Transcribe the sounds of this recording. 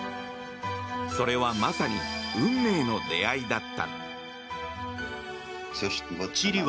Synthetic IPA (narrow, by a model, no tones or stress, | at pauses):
so̞ɾe̞βamasaɲ̟iɯ̟̃nːe̞ːno̞d̪e̞aid̪at̪ːa̰ | soɕi̥t̪eot͡ɕiɾʲiβ